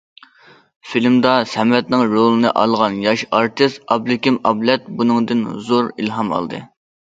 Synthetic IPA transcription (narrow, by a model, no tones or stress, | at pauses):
filmd̪ɑsɛmɛt̪̚nɪŋɾolˠɨnɨʔɑ̰lˠʁɑnjɑʃɑɾt̪ʰɨst̪ɑblɪkʲimɑblɛt̪̚bunɨŋd̪ɨnzoɾḭlɦɑmɑ̰lˠd̪ɨ̰